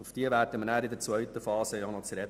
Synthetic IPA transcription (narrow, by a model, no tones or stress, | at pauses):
ufd̥iəʋæːɾd̥əmnæːɾɪd̪ɛɾt͡sʋvœɥt̪əfɑːsəjɔnɔt͡səɾɛt